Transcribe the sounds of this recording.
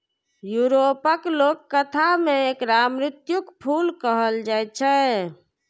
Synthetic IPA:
juɾopəklokːət̪ʰameekɾamɾɪt̪jukpʰulkəɦəld͡ʒajt͡ʃʰɛ

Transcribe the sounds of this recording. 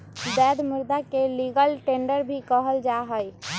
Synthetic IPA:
bɛd̪muɾd̪akeliɡəlʈeɳɖəɾbʱikəɦəld͡ʒaɦəj

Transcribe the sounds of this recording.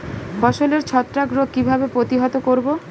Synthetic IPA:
fɔʃoleɾt͡ɕʰɔt̪ːɾaɡɾokibʱabepɾot̪iɦɔt̪okoɾbo

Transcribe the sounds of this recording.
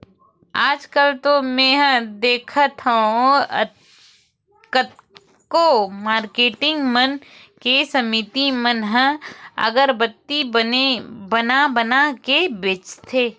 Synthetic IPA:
aːd͡ʒkəlt̪omɛ̃ɦd̪eːkʰət̪ʰaõɐ̰t̪ | kət̪̚ | komaːɾkeːʈɪ̃ŋɡmən | kesɐmit̪imənɦə̃ɐ̰ɡəɾbət̪ːiənebənabənakebeːt͡ʃt̪ʰeː

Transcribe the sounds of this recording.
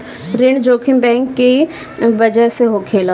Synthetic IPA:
ɾeːɳɖd͡ʒoːkʰɪmbɛ̃ːŋkːi | bɐd͡ʒəɦseɦokʰeːla

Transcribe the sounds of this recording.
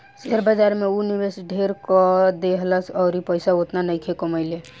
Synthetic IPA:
seɾbəd͡ʒaɾmeunibesɖʱeɾkɔd̪eɦləsɔʊɾipəɪsaot̪nanəjkʰekɔməɪle

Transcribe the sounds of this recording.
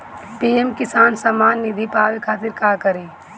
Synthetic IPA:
piːemkɪsaːnsɐmaːnːɪd̪ʱipaːʋikʰaːt̪ɪɾkaːkɐɾẽː

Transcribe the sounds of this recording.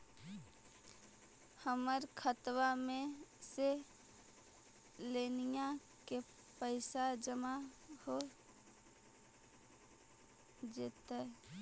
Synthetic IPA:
həməɾkʰət̪wamẽse | leːnija | ke | pəɪsad͡ʒəmaho | d͡ʒeːt̪a

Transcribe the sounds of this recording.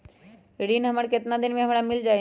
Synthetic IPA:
ɾiːnɦɐməɽkɪt̪nad̪ɪnmẽɦɐmɽamɪld͡ʒaːe

